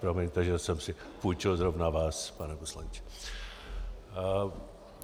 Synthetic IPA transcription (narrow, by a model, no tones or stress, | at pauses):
pɾomɛɲt̪aʒɛsɛmsɪ | puːt͡ʃɛlzɾovnavaːspanɛposlaɲt͡ʃɛ̥